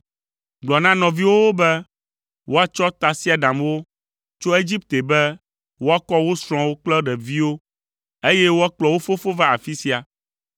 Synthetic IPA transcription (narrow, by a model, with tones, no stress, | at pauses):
ɡ͡blɔ˨nã˦nɔ̃˨vi˦wo˦wo˦bɛ˦ | wo˦a˦t͡ʃɔ˦t̪a˨si˦a˨ɖa˨mwo˦ | t͡ʃo˦e˦d͡ʑi˦p̚t̪e˨bɛ˦ | wo˦a˦kɔ˦wo˦sɾ̃ɔ̃˨wo˦k͡plɔ˦ɖɛ˨vi˦wo˦ | e˦jɛ˦wo˦a˦k͡plɔ˨wo˦fo˦fo˦va˦a˨fi˦si˦a˨